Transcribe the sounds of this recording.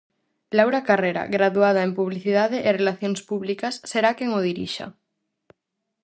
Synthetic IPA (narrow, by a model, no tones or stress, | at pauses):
lawɾakareɾa̰ɣɾaðuað̞aempuβliθiðað̞eʔerelaθjonspuβlikasːeɾakeŋoð̞iɾḭʃa̰